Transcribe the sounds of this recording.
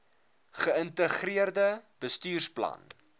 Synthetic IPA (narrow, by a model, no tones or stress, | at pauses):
χəəntəχriərdəb̥əstyːrsplɐ̰n